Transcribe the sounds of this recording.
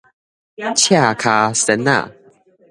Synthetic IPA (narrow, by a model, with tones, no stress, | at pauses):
t͡ɕʰa˨kʰa˧st̪ɛ˨na̰˨